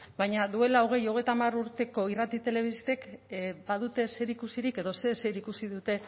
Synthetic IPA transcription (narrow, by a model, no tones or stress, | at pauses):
bajɲaðue̞laoɣ̞e̞jo̞ɣ̞e̞jt̪amaruɾt̪e̞ko̞irat̪it̪e̞le̞β̞ist̪e̞kbaðut̪e̞se̞ɾikusiɾike̞ðo̞se̞se̞ɾikusiðut̪e̞